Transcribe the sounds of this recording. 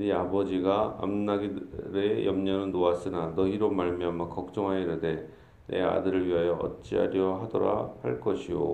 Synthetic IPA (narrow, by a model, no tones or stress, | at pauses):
niabʌd͡ʑiɡaa̰mnaɡiɾejʌmɲʌnɯnːoas͈ɯnanʌiɾomaɭmiamak͈ʌk̚t͡ɕ͈ʌŋɦaiɾɯde̞ | ne̞̰a̰dɯɾɯɭɥiɦajʌʔʌ̰t̚t͡ɕ͈ia̰ɾjʌɦadʌɾa̰haɭk͈ʌɕʰijo̰